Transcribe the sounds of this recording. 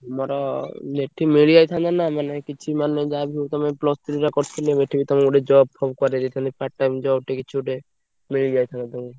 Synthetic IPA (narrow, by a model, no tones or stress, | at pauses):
mɔɾɔneʈʰːimiɭiajt̪ʰand̪anamanekit͡ʃʰimaned͡ʒabʱiot̪ɔmeplɔst̪ʰɾiʈakɔɾt͡ʃʰilebeʈʰːibit̪ɔmeuɖed͡ʒɔbpʰɔbkɔɾed͡ʒet̪ʰanipaʈːamd͡ʒɔbʈekit͡ʃʰuuʈe | miɭid͡ʒiajt̪ʰand̪at̪ɔmi